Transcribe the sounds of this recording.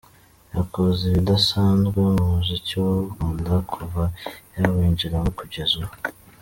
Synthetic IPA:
jakoziβidasaːnzɡeuziciwaɡuːndakʰuvajaweːɲɟiɾawokuɟezuo

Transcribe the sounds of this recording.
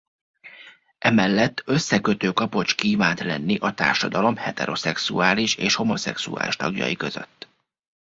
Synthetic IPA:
ʔɛmɛlːɛt̪ːø̞sːɛkøt̪øːkɒpo̞t͡ʃkiːvaːnt̪lɛnːiʔɒt̪a̰ːrʃɒd̪ɒlo̞mhɛt̪ɛɾo̞sɛksuaːliʃeːʃho̞mo̞sɛ̰ksua̰ːliʃt̪ɒɡjɒ̰jikø̞zø̰t̪ː

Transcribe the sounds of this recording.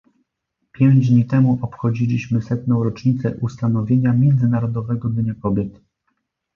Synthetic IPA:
pʲjɛw̃ɲd͡ʑd̪ɲit̪ɛmuʔɔpxɔd͡ʑilʲiɕmɘsɛt̪nɔ̃w̃ɾɔt͡ʂɲit̪sɛ̰ʔust̪anɔvʲjeɲamʲjɛnd̪zɘnaɾɔd̪ɔvɛɡɔd̪ɲakɔbʲjɛt̪

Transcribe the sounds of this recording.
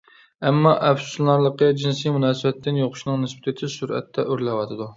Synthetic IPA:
ɛmːɑʔɛpsu̥llɑɾlˠəqəd͡ʒinsimunɑːsɨbɛt̪ʰːɪnjoqʰʊ̥ʃnɨŋnɪspɪ̥t̪ʰɪt̪ʰɪsuɾɛ̰t̪ʰːɛʔøɾlɛwɑt̪ʰɨd̪u

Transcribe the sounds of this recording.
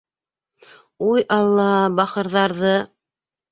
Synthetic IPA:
ujʔɑlˠːɑbɑqɤ̆ɾðɑɾðɤ

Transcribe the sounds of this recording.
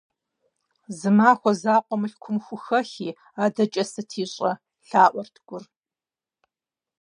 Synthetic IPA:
zɨmaːxʷɔzaːqʷʼɔmɨɬkʷʰʊmxʷʊxɐxiː | aːdɐt͡ʃʼɐsɨtʰiːɕʼɐ | ɬaːʔʷɔrtʰɡ̥ʷʊr

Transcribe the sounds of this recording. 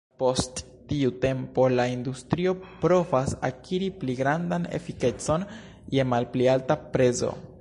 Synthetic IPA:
po̞stː | iute̞mpo̞laindustɾio̞pɾo̞vasa̰kʰiɾipliɡɾandane̞̰fike̞t͡so̞n | je̞malplialtapɾe̞zo̰

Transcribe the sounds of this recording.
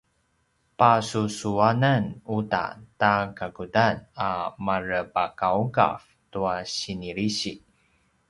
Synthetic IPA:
pasusuanənuta̰takaɡudanamaɾəpakauɡa̰f | tuaɕiniɾiɕi

